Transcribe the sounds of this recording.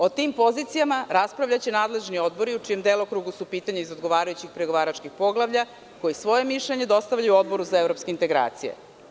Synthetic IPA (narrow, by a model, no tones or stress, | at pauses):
o̞t̪iːmpo̞zit̪sijamaɾaspɾaʋʎat͡ɕenaːd̪le̞ʒnio̞d̪bo̞ɾiut͡ʂije̞md̪elˠokɾuɡusupiːt̪aɲeizod̪ɡo̞ʋaːɾajut͡ɕixpɾeɡoʋaːɾat͡ʃkixpo̞ɡlˠaʋʎa | ko̞jisʋo̞je̞miʃʎeɲe̞d̪o̞st̪aʋʎajuo̞d̪̚bo̞ɾuzaevɾo̞pskeint̪e̞ɡɾa̰ːt̪sijḛ